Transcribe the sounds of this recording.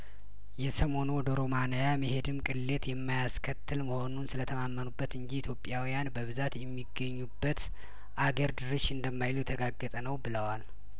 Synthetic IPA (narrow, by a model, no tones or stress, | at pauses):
jɛsəmo̞no̞d̪oɾomanəjaməhe̞d̪ɨmkʼɨlːe̞t̪jɛmːajaskʰət̪ʰːɨlməho̞nunsɨlət̪ʰəmamːənubːət̪ɨɲd͡ʒiit̪ʰjo̞pʼːjawijanbəβɨzat̪jɛmːiɡːəɲːubːət̪ | ʔaɡəɾd̪ɨɾɨʃɨnd̪əmːajlujɛt̪ʰəɡaɡːət̪ʼənəwbɨləwal